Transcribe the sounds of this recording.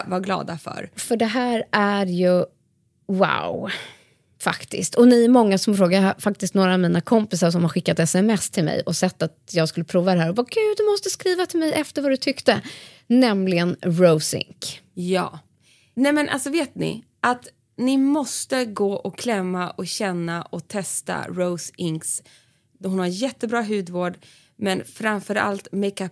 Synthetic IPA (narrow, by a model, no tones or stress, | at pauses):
vaɡlɑ̰ːd̪afœ̰ɾfœɖɛɦæːɾʔæɾjɵ | wa̰w | fa̰kt̪ɪ̰st̪ʰɔnɪmɔŋːasɔmfɾoːɡad̪afak̚t̪ɪst̪noːɾaːvmiːnakʰɔmpɪsaɾʂ̬ɔmhaɾɧɪkːat̪ɛsɛmɛst̪ʰɪlmɛ̰jʔɔsɛt̪ːat̪jɑːɡskɵlːəpʰɾuːvad̪ɛɦæːɾɔbɑːɡʉːd̪ɵmɔst̪əskɾiːvat̪ʰɪlmɛjɛft̪əɾvad̪ɵt̪ʰʏkt̪ə | nɛmlɪɡənɹoʊsɪ̰ŋkjɑ̰ː | nɛmɛnʔa̰lsɔveːt̪nɪ̰ | ʔat̪ | nɪmɔst̪əɡoːʔɔkʰlɛmːaʔɔɕɛnːaʔɔt̪ʰɛst̪a̰ɾoʊsɪŋks | d̪ɔɦʊnhaɾjɛt̪ːəbɾɑːɦʉ̟ːd̪voːɖ | mɛnfɾamfœɾa̰lt̪mɛkap